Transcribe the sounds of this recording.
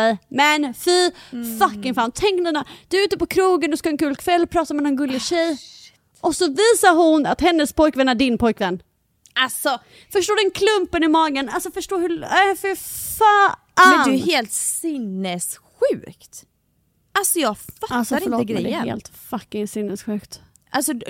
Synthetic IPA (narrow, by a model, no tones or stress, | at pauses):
ɛjmɛnfiːfakːɪŋfaːnt̪ʰɛŋknɛnad̪̥ɵɾʉ̟ːt̪əpɔkʰɾuːɡənd̪ɵskaɛnkʰʉ̟ːlkʰvɛlːpʰɾɑːt̪amɛnɔɛnɡɵlːɪɕɛj | ʔɔsɔviːsaɾhʊna̰t̪hɛnːəspʰɔjkvɛnːæɖɪnpʰɔjkvɛnː | alsɔ | fœʂʈoːd̪ɛnkʰlɵmpənɪmɑːɡənalsɔfœʂʈoːhɵfɪɾfaː | adɪheːlt̪sɪnːɛsɧʉ̟ːkt̪ | ʔalsɔjɑːɡfaasaɾɪoːɡɾɛəḛːlt̪fakːɪŋsɪnːəsɧʉ̟ːkt̪ | ʔalsɔ